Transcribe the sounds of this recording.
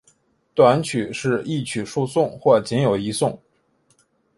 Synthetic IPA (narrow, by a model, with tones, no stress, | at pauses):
t̪wa˧˥nt͡ɕʰy˨˩ʂɻ̩˥˧i˥˩t͡ɕʰy˨˩ʂu˥˧sʊ˥˧ŋxwɔ˥˩t͡ɕi˧˥njo˨˩ʊi˧˥sʊ˥˩ŋ